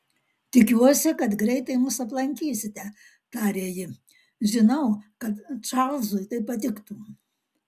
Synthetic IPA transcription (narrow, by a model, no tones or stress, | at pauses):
t̪ʲɪkʲuɔsʲɪkɐt̪ɡɾʲɛɪt̪ɐɪmʊsɐplˠɐŋʲkʲiːsʲɪt̪ʲɛ | t̪ɑːɾʲeːjɪ | ʒʲɪnɐʊkɐt̪t͡ʃɑlˠzʊjt̪ɐɪpːɐt̪ʲɪkt̪u